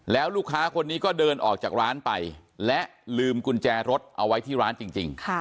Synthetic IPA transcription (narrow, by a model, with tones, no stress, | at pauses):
lɛː˦˥wluː˥˩kʰːaː˦˥kʰo˧nːiː˦˥kɔː˥˩dɤː˧nʔɔː˨˩k̚t͡ɕaː˨˩k̚ɾaː˦˥npa˧jlɛ˦˥ʔlɯː˧mku˧nt͡ɕɛː˧ɾo˦˥t̪̚ʔa˧wa˦˥jt̪ʰiː˥˩ɾaː˦˥nt͡ɕi˧ŋt͡ɕi˧ŋkʰ